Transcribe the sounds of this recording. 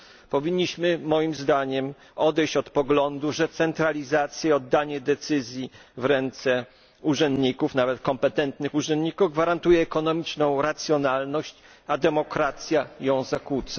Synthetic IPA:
pɔvʲiɲːiɕmɘmɔjimzd̪aɲɛm | ɔd̪ɛjɕt͡ɕɔt̪pɔɡlɔnd̪uʐɛt̪sɛnt̪ɾalʲizat̪sʲjɛɔd̪ːaɲɛd̪ɛt̪sɘzʲjivɾɛnt̪sɛ | uʐɛnd̪ɲikufnavɛt̪kɔmpɛt̪ɛnt̪nɘxuʐɛnd̪ɲikuvɡvaɾant̪ujɛːkɔnɔmʲit͡ʂnɔ̃w̃ɾat̪sʲjɔnalnɔɕt͡ɕ | ad̪ɛmɔkɾat̪sʲjajɔ̃w̃zakut̪sa

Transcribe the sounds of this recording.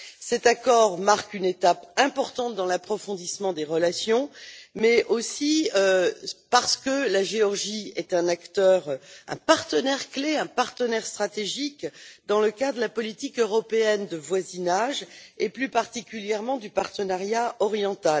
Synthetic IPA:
sɛt̪akɔʁmaʁkynet̪apɛ̃pɔʁt̪ɑ̃t̪̚d̪ɑ̃lapχɔfɔ̃d̪ismɑ̃d̪eʁəlasjɔ̃mɛosiøpaʁsə̥kəlaʒeɔʁʒiɛt̪ɛ̃nakt̪œʁɛ̰̃paʁt̪ənɛʁkleɛ̃paʁt̪ənɛʁst̪χat̪eʒikd̪ɑ̃ləkad̪ʁd̪əlapɔlit̪ikøʁɔpeɛnd̪əvwazinaʒeplypaʁt̪ikʲyljɛʁmɑ̃d̪ypaʁt̪ənaʁjaɔʁjɑ̃t̪al

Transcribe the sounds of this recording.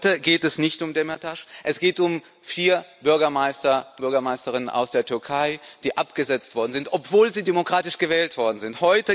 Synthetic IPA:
təɡeːtɛsnɪçtʊmdɛmɛtʰaʃʔɛsɡ̥eːtʊm | fiːɐbʏɐɡɐmaɪstɐb̥ʏɐɡɐmaɪstəʁɪnənʔa̰ʊsd̥eːɐtʰʏɐkʰaɪd̥iːʔapɡ̥əzɛt͡stv̥ɔɐdn̩zɪntʔɔpv̥oːlziːdemokʁ̥aːtɪʃɡ̥əvɛːltv̥ɔɐdn̩zɪnthɔʏtə

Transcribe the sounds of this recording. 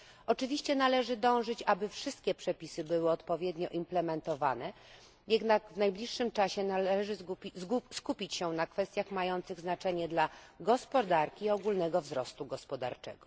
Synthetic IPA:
ɔt͡ʂɘvʲiɕt͡ɕɛnalɛʐɘd̪ɔ̃w̃ʐɘt͡ɕabɘfʂɘst̪̚kʲɛpʂɛpʲisɘbɘwɘɔt̪pɔvʲjɛd̪ɲɔʔimplɛmɛnt̪ɔva̰nɛ | jɛd̪naɡvnajblʲiʂːɘmt͡ʂaɕɛnalɛʐɘzskupʲit͡ɕɕɛnakfɛst̪ʲjaxmajɔnt̪sɘɣznat͡ʂɛɲɛd̪laɡɔspɔd̪aɾkʲiːɔɡulnɛɡɔvzɾɔst̪uɡɔspɔd̪a̰ɾt͡ʂɛ̰ɡɔ̥

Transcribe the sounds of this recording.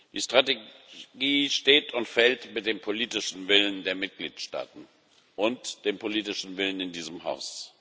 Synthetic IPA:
d̥iːʃtʁ̥ateɡiːʃteːtʰʊntfɛltmɪt̚d̥eːmpʰoliːtɪʃn̩vɪləndeːɐmɪt̚ɡ̥liːtʃta̰ːtn̩ | ʔʊntd̥eːmpʰoliːtɪʃn̩vɪlənɪndiːzəmɦa̰ʊs

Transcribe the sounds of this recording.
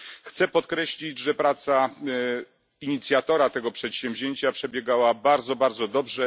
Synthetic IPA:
xt̪sɛpɔt̪kɾɛɕlʲid͡ʑʐɛpɾat̪sa | iɲit̪sʲjat̪ɔɾat̪ɛɡɔpʂɛt̪ɕɛ̃mvʲʑeɲt͡ɕapʂɛbʲjɛɡawabaɾd̪zɔbaɾd̪zɔd̪ɔbʐɛ

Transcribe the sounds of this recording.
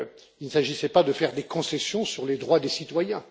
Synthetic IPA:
ilnəsaʒisɛpad̪əfɛʁd̪ekɔ̃sɛsjɔ̃syʁled̪ʁwad̪esit̪wajɛ̃

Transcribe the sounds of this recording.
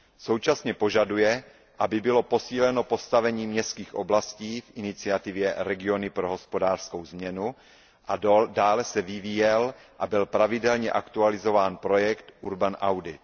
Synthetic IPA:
so̞wt͡ʃasɲɛpo̞ʒadujɛ | ʔabɪbɪlo̞po̞siːlɛno̞po̞st̪avɛɲiːmɲɛst̪kiːxʔo̞̰blasciːfʔɪnɪt͡sɪat̪ɪvjɛɾɛɡɪo̞nɪpɾoɦo̞spo̞daːr̥skowzmɲɛnu | ʔadaːlɛsɛvɪviːjɛlʔabɪlpɾavɪdɛlɲɛʔakt̪ualɪzo̞vaːnpɾo̞jɛkt̪ʔuɾbanʔawdɪt̪

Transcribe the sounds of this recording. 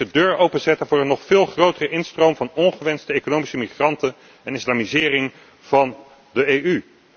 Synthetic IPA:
ədøːɹowpənzɛtənvʊːɹənːɔχfɪːlˠχrowtərəʔɪnstrowmvɑnɔnχəʋɛnstəejkonowmisəmiχrɑntən | ɛnɪslaːmizɪːrɪŋ | v̥ɑn | dəejy

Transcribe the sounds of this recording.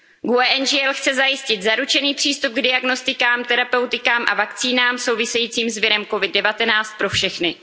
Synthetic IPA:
ɡuɛːʔɛnd͡ʒɪɛlxt͡sɛzajɪscɪt̪zaɾut͡ʃɛniːpr̥iːst̪up̚ɡdɪaɡno̞st̪ɪkaːmt̪ɛɾapɛwt̪ɪkaːmʔa̰vakt͡siːnaːmso̞wvɪsɛjiːt͡siːmzvɪɾɛmko̞vɪd̚dːɛvat̪ɛnaːt͡st̪̚pɾo̞fʃɛxnɪ

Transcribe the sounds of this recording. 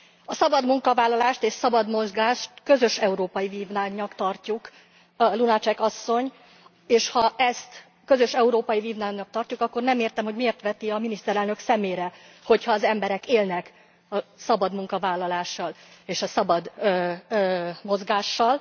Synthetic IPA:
ɒsɒbɒd̪muŋkɒvaːlːɒlaːʃt̪eːʃsɒbɒd̪mo̞zɡaːʃt̪kø̞zø̞ʃɛuɾoːpɒjiviːvnaɲɒkt̪ɒrcuk | lunɒt͡ʃɛkɒsːo̞ɲ | eːʃhɒʔɛst̪ | kø̞zø̞ʃɛuɾoːpɒjiviːvnaːnɒk̚t̪ɒrcukɒkːo̞rnɛmeːrt̪ɛmho̞ɟmieːrt̪ʋɛt̪iɒminist̪ɛɾɛlnø̞ksɛmeːɾɛ | ho̞chɒːzɛmbɛɾɛkeːlnɛk | ɒsɒbɒd̪muŋkɒvaːlːɒlaːʃːɒleːʃɒsɒbɒd̪ | mo̞zɡaːʃːɒl

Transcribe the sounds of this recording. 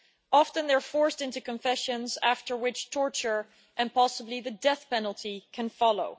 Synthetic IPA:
ʔɑftə̃nðə˞fɔɹstɪ̃ntʉkə̃ɱfɛʃɨ̃nzæftə˞wɪt͡ʃtʰɔɹt͡ʃə˞ | ʔɨ̃npʰɑsəbliðɨdɛθpɛnl̩ˠtʰikʰɨ̃nfɑlˠoʊ

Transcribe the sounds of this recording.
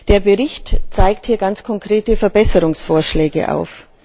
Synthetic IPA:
d̥eːɐbəʁɪçtt͡saɪkthiːɐɡant͡skʰɔŋkʁ̥eːtəfɛɐbɛsəʁʊŋsfoːɐʃlɛːɡə̰ʔa̰ʊf

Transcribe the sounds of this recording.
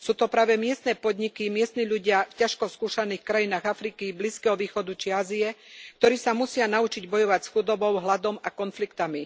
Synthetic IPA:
suːt̪ɔpɾaːʋɛmɪɛst̪nɛːpɔd̪ɲikimɪɛst̪niːʎuɟɪafcaʃkɔskuːʃaniːxkɾajinaːɣafɾikibliːskɛɦɔʋiːxɔd̪ut͡ʃiaːziɛkt̪ɔɾiːsamusɪanaut͡ʃiɟbɔjɔʋacsxud̪ɔbɔʊɦlad̪ɔmakɔnflikt̪ami

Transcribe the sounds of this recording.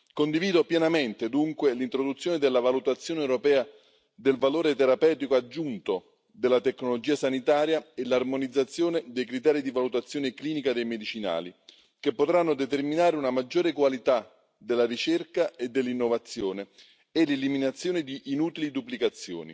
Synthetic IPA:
kond̪iviːd̪opjɛnament̪ed̪uŋkwelint̪ɾod̪ut̪sːjoːned̪elːavalut̪at̪sːjoːneɛwɾopɛːa | d̪elvaloːɾet̪eɾapɛːt̪ikoad͡ʒːunt̪o | d̪elːat̪ekːnolod͡ʒiːasanit̪aːɾjaelarmonid̪zːat̪sːjoːned̪ejkɾit̪̬ɛːɾid̪ivalut̪at̪sːjoːnekliːnikad̪ejmed̪it͡ʃina̰ːli | kepːot̪ɾanːod̪et̪erminaːɾeunamad͡ʒːoːɾekwalit̪a | d̪elːaɾit͡ʃerkaed̪elːinːovat̪sːjoːne | eleliminat̪sːjoːned̪iʔːnuːt̪ilid̪uplikat̪sːjo̰ːnḭ

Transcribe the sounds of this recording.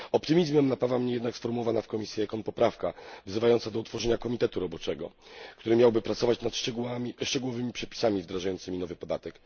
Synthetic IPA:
ɔpt̪ɘmʲizmɛmnapavamɲɛjɛd̪naksfɔɾmuwɔvanafkɔmʲisʲjɛɛkɔnpɔpɾafkavzɘvajɔnt̪sad̪ɔut̪fɔʐɛɲakɔmʲit̪ɛt̪uɾɔbɔt͡ʂɛɡɔkt̪uɾɘmʲjawbɘpɾat̪sɔvat͡ɕnat̪ʂt͡ʂɛɡuwamʲiʂt͡ʂɛɡuwɔvɘmʲipʂɛpʲi̥samʲivd̪ɾaʐajɔnt̪sɘmʲinɔvɘpɔd̪at̪ɛk

